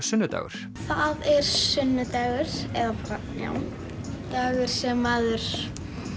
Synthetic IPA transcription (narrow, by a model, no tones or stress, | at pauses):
sʏnːʏt̪a̰ːɣʏ̰ɾ̥ | θaðɛɾ̥sʏnːʏt̪aːɣʏɾ̥ɛðapaɾa | ja̰w | t̪aːɣʏɾ̥sɛmaðʏɾ̥